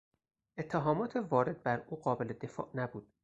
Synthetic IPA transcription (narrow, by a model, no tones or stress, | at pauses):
ʔe̞t̪ʰːeɦɒːmɒːt̪ʰevɒːɾe̞d̪̚bæɾuːɢɒːbe̞led̪e̞fɒ̰ːʔnæbuːd̪̥